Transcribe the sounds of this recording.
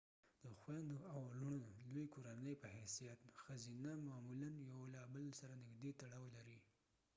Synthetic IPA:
d̪̥əxwand̪oawalunolojkoɾanəjpəhɛsijat̪xazinamɑmulanjawlabəlsaɾanɪɡd̪et̪aɽɑwlaɾi

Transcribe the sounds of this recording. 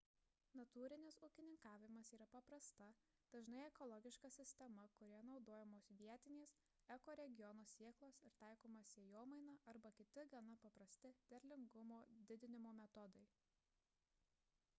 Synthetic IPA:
nɐt̪uːɾʲɪnʲɪsuːkʲɪnʲɪŋkɑːʋʲɪmɐsiːɾɐpɐpɾɐst̪ɐ | d̪̥ɐʒnɐɪɛkɔlˠɔɡʲɪʃkɐsʲɪsʲt̪ʲɛmɐkʊɾʲɪɛnɒʊd̪oːjɛmoːsʋʲiɛt̪ʲɪnʲeːs | ɛkoːɾʲɛɡʲɪjɔnoːsʲiɛklˠosɪɾt̪ɐɪkoːmɐsʲijoːmɐɪnɐʔɐɾbɐkʲɪt̪ʲɪɡɐnɐpɐpɾɐsʲt̪ʲɪd̪̥ʲɛɾʲlʲɪŋɡʊmoːd̪ʲɪd̪ʲɪnʲɪmoːmʲɛt̪ɔd̪ɐɪ

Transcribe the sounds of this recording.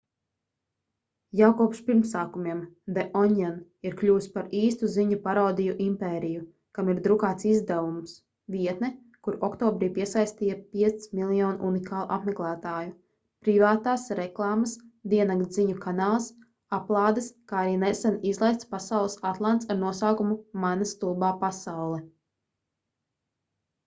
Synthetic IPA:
jawkuɔpʃpiɾmsaːkumiɛmd̪ɛʔɔɲjɛniɾklʲuːspaɾiːst̪uziɲupaɾawd̪ijuʔimpɛːɾiju | kamiɾd̪ɾukaːt̪sizd̪ɛvums | viɛt̪nɛ | kuɾɔkt̪ɔːbɾiːpiɛsajst̪iːjapiɛt̪smilˠjɔːnʔunikaːlˠṵʔa̰pmɛklˠæːt̪aːju | pɾivaːt̪aːsɾɛklˠaːmasd̪iɛnaɡt̪ziɲukanaːlˠs | aplˠɑːd̪ɐskaːaɾiːnɛsɛnizlˠɛjst̪spasawlˠəsat̪lˠant̪saɾnuɔsaːkumumanast̪ulˠbaːpasawlˠɛ

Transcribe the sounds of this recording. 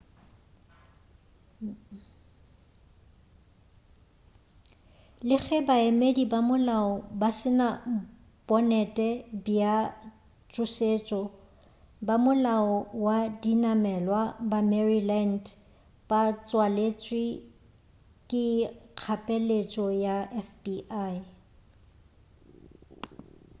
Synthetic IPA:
lɪk͡xʰɛbaemedibamʊlaɔbasɪna | b̥ɔnɛtʼɛbja | t͡ʃʼʊseːt͡ʃʼɔ | bamʊlaɔwadinamɛlwabamɛrilɛnd | pʼat͡sʼwalet͡ʃʼwi | kʼɪq͡χʰapʼelet͡ʃʼɔjaɛfbiʔa

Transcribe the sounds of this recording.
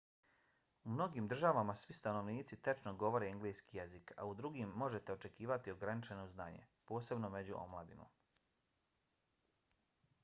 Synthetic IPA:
umno̞ɡimd̪ɾr̩ʒaʋamasʋist̪ano̞ʋniːt̪sit̪at͡ʃnoɡo̞ʋo̞ɾeeŋɡlejskije̞zika̰ud̪ɾuɡimːo̞ʒe̞t̪e̞ot͡ʃe̞kiːʋat̪io̞ɡɾanit͡ʃe̞nozna̰ːɲe̞̰po̞ːse̞bno̞me̞d͡ʑuʔo̰mlˠa̰ːd̪ḭma̰

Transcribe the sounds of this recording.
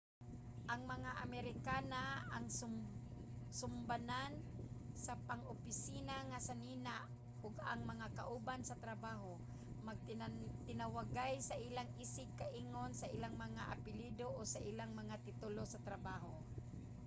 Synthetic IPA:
ʔaŋmɐŋaʔamɛɾɪkaːnaaŋs | sʊmbanansapaŋopɪsiːnaŋasaniːna | ʔʊɡa̰ŋmɐŋaka̰ʔubansat̪ɾabaːɦo | maɡ̚t̪ɪnawaɡajsaʔilaŋiːsɪɡ̚kaʔiːŋonsaʔɪlaŋmɐŋaʔapɪliːd̪oʔosaʔilaŋmɐŋat̪ɪt̪ʊlosat̪ɾabaːɦo

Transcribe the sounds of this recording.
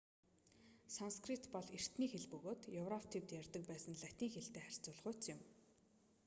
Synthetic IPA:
sanskrit̪pɔɮer̥t̪niːxeɮpɵɣoːt̪jɵwrɔwt̪ʰewt̪jærʲt̪ə̆k̚pæːsə̆nɮæt̪iːŋxeɬt̪eːχær̥ʲt͡sʊːɮʁʊːt͡sɪ̆m

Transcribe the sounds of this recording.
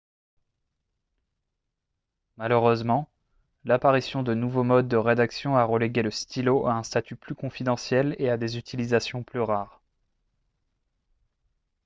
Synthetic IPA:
maləʁøzmɑ̃ | lapaʁisjɔ̃d̪ənuvomɔd̪̚ːəʁed̪aksjɔ̃aʁəleɡʲeləst̪iloʔaɛ̃st̪at̪yplykɔ̃fid̪ɑ̃sjɛlead̪ezyt̪ʰilizasjɔ̃plyʁaːʁ

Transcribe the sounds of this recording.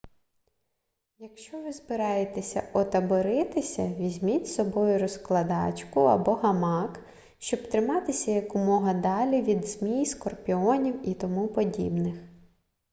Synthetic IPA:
jɐkʃt͡ʃɔʋɪzbɪɾɑjet̪esʲɐ̰ɔt̪ɐbɔɾɪt̪ɪsʲɐʋʲizʲmʲitʲsɔbɔjʊɾɔsklˠɐd̪ɑ̰t͡ʃkʊɐ̰bɔɦɐmɑk | ʃt͡ʃɔbt̪ɾɪmɑt̪ɪsʲɐjɐkʊmɔɦɐd̪ɑlʲiʋʲid̪z̥ʲmʲijskɔrpʲiɔnʲiwit̪ɔmupɔdʲḭbnɪx

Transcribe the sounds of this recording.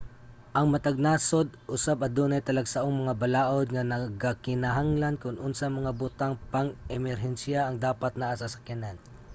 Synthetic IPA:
ʔɐŋmɐt̪ɐɡ̚naːsod̪ʔʊsabɐd̪uːnajt̪ɐlaɡsaʔoŋmɐŋabɐlaːʔod̪̚ŋɐnɐɡakɪnaɦaŋlankʊnʔʊnsamɐŋabʊt̪aŋpaŋɛmɛɾɦɛnsjaʔːŋd̪aːpat̪̚naʔasasakɪnan

